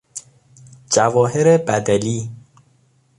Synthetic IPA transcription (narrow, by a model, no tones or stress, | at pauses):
d͡ʒævɒːɦeɾebæd̪æliː